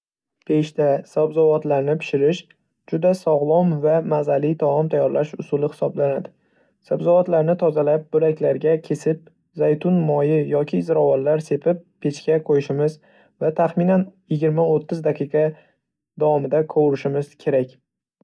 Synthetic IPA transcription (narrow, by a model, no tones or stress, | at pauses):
pʰe̞ʃt̪asabzɒvɒt̪laɾnɪpʰɪ̥ʃɪɾɪʃ | d͡ʒʊd̪asɒʁlˠɒmvamazalɪt̪ʰɒɒmt̪ʰajɒɾlaʃʊsʊlɪhɪ̥sɒblanad̪ɪ | sabzɒvɒt̪laɾnɪt̪ʰɒzalap̚bʊɾakʲlaɾɡʲakʲʰe̞sɪp̚ | zajt̪ʰʊnmɒjɪjɒkʲʰɪzɪɾɒvɒllaɾse̞pʰɪpʰːe̞t͡ʃkʲaqʰojɪʃɪmɪz | vat̪ʰaχmɪnanjɪɡʲɪɾmaot̪ʰːɪzd̪aqʰijqʰɑ | d̪awɒmɪd̪akʰowɾɪʃɪmɪz̥kʲʰe̞ɾakʲ